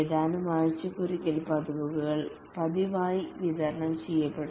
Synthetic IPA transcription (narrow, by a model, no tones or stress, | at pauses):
ed̪aːnumaːɻt͡ɕːɐkurikʲːilpɐd̪uʋuʋuɣɐɭ | pɐd̪iʋaːjiʋid̪ɐɾɐɳɐmt͡ɕejːɐpːeɽu